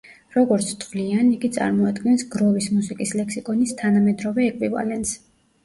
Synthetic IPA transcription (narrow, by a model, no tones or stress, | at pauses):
ɾɔɡɔɾt̪sʰt̪ʰʼʁlianiɡit̪sʼa̰ɾmɔad̪ɡɛnsɡɾɔvismusikʼislɛkʰsikʼɔnist̪ʰanamɛd̪ɾɔvɛːkʼvḭva̰lɛnt̪s